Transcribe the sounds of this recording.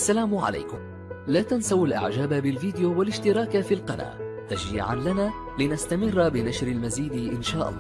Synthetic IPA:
ʔʔasːalaːmʕa̰la̰jkʊm | laːt̪ansawalʔa̰ʕd͡ʒaːbabɪlviːd̪ɪjoːwalɪʃt̪ɪɾˤɑːkafiːlqɑna̰ːt̪ad͡ʒḭːʕa̰nlanaː | lɪnast̪amɪrːbɪnaʃɾalmaziːd̪ʔɪnʃaːʔɑ̰lˤːɑː

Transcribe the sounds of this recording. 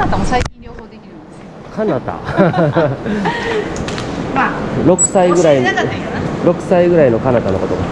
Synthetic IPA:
at̪asai | kanat̪a̰ | mɾo̞kɯ̟̥saiɡɯ̟ɾai | ɾo̞kɯ̟̥saiɡɯ̟ɾaino̞kanat̪ano̞ko̞t̪oma

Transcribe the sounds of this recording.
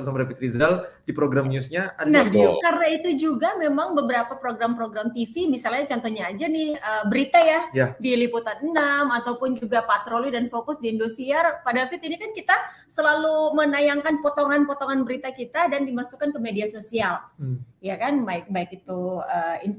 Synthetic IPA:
samɾapit̪ɾizaldipɾoɡɾamɲusɲaanakarnait̪ud͡ʒuɡamemaŋbəbəɾapapɾoɡɾampɾoɡɾamt̪ifimisalɲat͡ʃɔnt̪oɲaːd͡ʒanɪhəbəɾit̪ajajadiliput̪anənamat̪awpʊnd͡ʒuɡapat̪ɾolidanfokʊsdiːndusiarpadalfɪt̪inikankit̪a | səlalumənajaŋkanpot̪oŋanpɔt̪oŋanbəɾit̪akit̪adandimasukankəmediasosial | jakanbaɪk̚baɪkit̪uəːins

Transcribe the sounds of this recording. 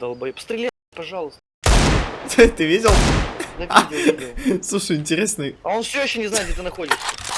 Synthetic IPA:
d̪ɐlˠbɐjpə̥st̪ɾʲɪlʲe | pɐʐɑlˠəst̪ət̪t̪ɨvʲidʲɪlˠ | slˠuʂɨjɪnʲtʲɪɾʲesnɨjɐonfsʲoɪɕːonʲɪznajɪd̪dʲet̪ɨnɐxodʲɪʂ

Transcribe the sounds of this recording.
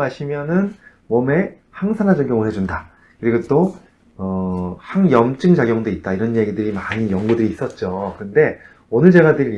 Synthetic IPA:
aɕʰimjʌnɯn | mʌme̞ | haŋsʰanɦad͡ʑɯnkjʌŋuhe̞d͡ʑunda | kɯɾiɡot͈o | ʌhaŋjʌmt͡ɕ͈ɯŋd͡ʑaɡjʌŋdoit̚t͈aiɾʌnje̞ɡidɯɾimaɲijʌŋɡudɯɾiːs͈ʌt̚t͡ɕ͈okɯɯnde̞ | onɯɭd͡ʑe̞ɡadɯɭ

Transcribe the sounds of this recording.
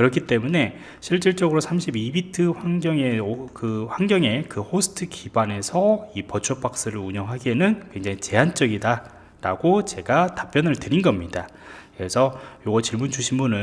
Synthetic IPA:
kɯɾʌkʰit͈e̞mune̞ | ɕʰiɭt͡ɕ͈iɭt͡ɕ͈ʌɡɯɾosʰamɕʰibibitʰɯɸwaŋɡjʌŋe̞okɯɸwaŋɡjʌŋe̞kɯhosʰɯ̥tʰɯkibwane̞sʰʌipʌt͡ɕʰop͈ak̚s͈ɯɾɯɾuɲʌŋɦaɡienɯnkwe̞ŋd͡ʑaŋit͡ɕe̞ɦant͡ɕ͈ʌɡida | ɾa̰ɡot͡ɕe̞ɡatḁp͈jʌnɯɭtɯɾinɡʌmɲida | kɯɾe̞sʰʌjoɡʌt͡ɕiɭmund͡ʑuɕʰinbunɯ

